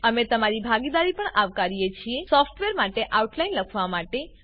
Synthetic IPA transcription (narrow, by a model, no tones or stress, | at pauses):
əmet̪əmaɾibʱaɡid̪aɾipəɳaʋkaɾijet͡ʃʰiesɔfʈʋeɾmaʈeʔauʈlajnləkʰʋamaʈe